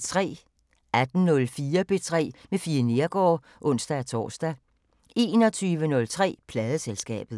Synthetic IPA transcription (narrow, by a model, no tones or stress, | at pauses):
t͡sʰʁɛ̰ː | ʔæd̥n̩nɔ̽lfiːɐb̥e̝t͡sʰʁɛ̰ːmefiːɐne̝ɐɡ̥ɒ̰ː | ʔɔ̽n̰sd̥ææt͡sʰɒ̰ːsd̥æ | e̝ːnɒ̽t͡sʰyːʋənɔ̽lt͡sʰʁɛ̰ːpʰlɛːð̞ˠəselsɡ̥ɛ̰ːb̥ð̩ˠ